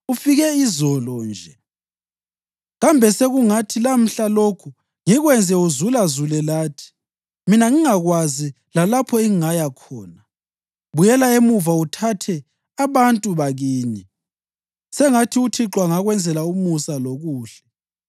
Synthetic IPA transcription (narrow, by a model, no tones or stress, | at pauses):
ufiɣɛizɔlɔnd͡ʒʱɛ | ɣambʱɛseɣuŋatʰilam̩ɬalokʰu | ŋiɣwɛnd͡zʱɛuzulazulɛlaːtʰi̥ | minaŋiŋaɣwazi | lalapʰɔɛŋiŋajakʰɔːna | βujɛlaemuvautʰatʰɛ | aβantʼuβaɣiːɲɛ | sɛŋatʰiutʰiǁwaŋaɣwɛnd͡zʱɛlaumusaloɣuːɬɛ̥